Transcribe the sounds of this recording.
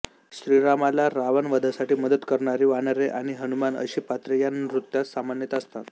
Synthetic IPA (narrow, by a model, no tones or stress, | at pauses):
ɕɾiɾamalaɾaʋənʋəd̪ʱasaʈiːməd̪ət̪kəɾɳaɾiːʋanəɾeʔaɽ̃iɦənumanə̰ɕiːpat̪ɾəjanɾut̪ːjasamanjət̪əst̪at̪